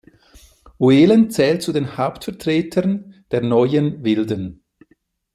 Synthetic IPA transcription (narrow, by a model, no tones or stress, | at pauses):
ʔueːlənt͡sɛːlt̚t͡sudeːnhaʊptfɛɐtʁ̥eːtʰənd̥eːɐnɔʏənvɪldən